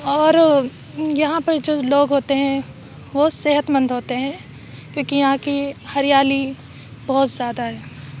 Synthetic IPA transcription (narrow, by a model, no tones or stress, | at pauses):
ɔːɾ | jɐɦãpɐɾd͡ʒoːloːɡɦoːt̪eɦɛ̃ | ʋoseɦət̪mə̃nd̪ʱɦoːt̪eɦɛ̃ː | kjõːkijɐɦãkihɐɾijaːli | bɔɦʊt̪zjaːd̪aɦɛː